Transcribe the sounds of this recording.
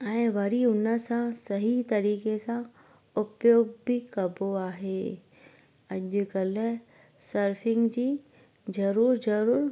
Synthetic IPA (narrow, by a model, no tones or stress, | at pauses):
ɛ̃ːʋɐɾiʊnə̆sãsɐɦit̪ɐɾiːkesã | ʊpjoːɡbikɐboaːɦeː | ɐʄʊkɐl | sɐɾfɪ̃ŋɡd͡ʑiː | zɐɾuːɾd͡ʑɐɾuːɾ